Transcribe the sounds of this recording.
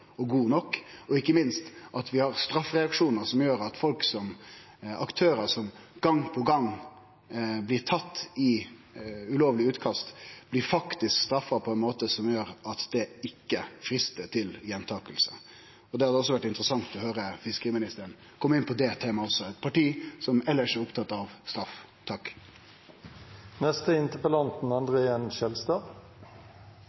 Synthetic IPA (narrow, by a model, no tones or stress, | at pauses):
ɔɡuːnɔkːɔɪkːəmɪnst̪ʔɑt̪ʋɪhɑɾst̪ɾɑfːɾɛɑkʂuːnəɾsɔmjøːɾɑt̪fɔlksɔm | ɑkt̪ʰøːɾəɾsɔmɡ̥ɑŋːpʰɔɡɑŋ | blɪɾʈ̪ʰɑt̪ːɪ | ʉloːʋlɪʉːt̪kʰɑst̪b̥lɪɾfɑkt̪ɪskst̪ɾɑfːɑpʰɔɛnmoːt̪əsɔmjøːɾɑt̪d̪̥ɛɪkːəfɾɪst̪əʈ̪ʰɪljɛnt̪ʰɑːkəlsə̰ | ɔd̪ɛhɑd̪ɛɔs̬ːɔʋæʈːɪnt̪ɾəsɑŋt̪ʰɔɦøːɾəfɪskəɾɪmɪnɪst̪əɾɳ | kʰɔmːəɪnpʰɔd̪ɛt̪ʰeːmɑɔsːɔɛt̪pʰɑʈiːsɔmɛlːəʂɛɾʊpt̪ʰɑt̪ːɑʋst̪ɾɑf | t̪ʰɑkː | nɛst̪əɪnt̪əpəlɑnt̪̚n̩ɑnd̪ʁəɛnʃɛlst̪ɑːʁ